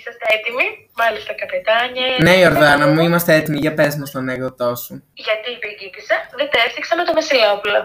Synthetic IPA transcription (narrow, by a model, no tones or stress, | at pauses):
isɐst̪eet̪imi | mɐlist̪ɐkɐpet̪ɐɲɐne̞io̞ɾðɐnɐmuimɐst̪eet̪imiʝɐpezmost̪oneɣðot̪o̞suʝɐt̪ipicipisɐðet̪efθiksɐmet̪omɐsilopulɐ